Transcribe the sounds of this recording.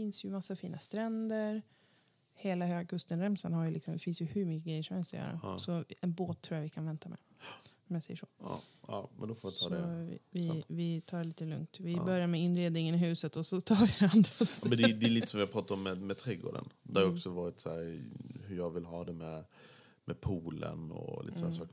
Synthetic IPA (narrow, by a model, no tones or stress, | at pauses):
fɪnsjɵmasːafiːnʔast̪ɾɛnd̪əɾ | heːlaɦøːɡakʰɵst̪ənɾɛmsanhaɾjɵlɪksɔmd̪ɛfɪnsjɵhʉɾmʏkːəɡɾɛjəʂɔmhɛlst̪ɔjœ̰ːɾa̰sɔɛnboːt̪ʰːɾuːjavɪkʰanvɛnt̪amɛ̰ | ɔmjasɛjːəʂoːɑ̰ɑ̰mɛ̰nd̪ɔfoːvat̪ʰɑːd̪ɛɪ̰vɪvɪt̪ʰɑːɭiːt̪əlɵ̰ŋt̪vɪbœɾjaɾmɛɪnːɾeːd̪nɪŋənɪɦʉ̟ːsət̪ɔsɔt̪ʰɑːɾvɪd̪ɛand̪asmɛnd̪ɛd̪ɛːliːt̪əsɔmjapʰɾɑːt̪aɾɔmːɛmɛt̪ʰɾɛɡo̰ːɖə̰nd̪ɛhaɾɪɔksɔvɑːɾɪt̪sæɾhɵɾjɑɡvɪlɦɑːd̪ɛmɛ | mɛpʰuːlə̰nɔ̰lḭt̪sɔnasɑːk